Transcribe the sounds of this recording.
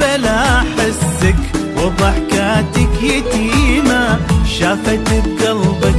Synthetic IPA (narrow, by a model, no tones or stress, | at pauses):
alaħɪsːɪkwɑðˤɑħkaːt̪ɪkjɪt̪iːmaʃaːfat̪ɪb̚ɡɑlbak